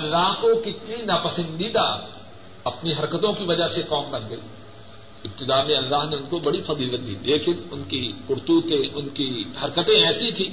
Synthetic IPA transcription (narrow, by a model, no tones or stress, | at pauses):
ɐlːaːɦkokɪt̪ninaːpɐsə̃nd̪iːd̪a | ɐpniɦɐɾkət̪õkiʋɐd͡ʒaɦsekɔːmbɐnɡɐḭː | ɪb̚t̪ɪd̪aːmẽɐlːaːɦneʊnkobɐɽifɐziːlət̪̚d̪ḭːleːkɪnʊnkikʊɾt̪ut̪ʰẽʔʊnkihɐɾkət̪ẽɛːsit̪ʰiː